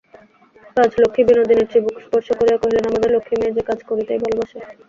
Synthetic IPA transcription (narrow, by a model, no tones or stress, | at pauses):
kad͡ʑʱlokʰːibinod̪ineɾibukʰspɔɾʃokoɾeakoɦilenamad̪eɾlokʰːimied͡ʑekad͡ʑʱkoɾit̪ajbʱalobaʃe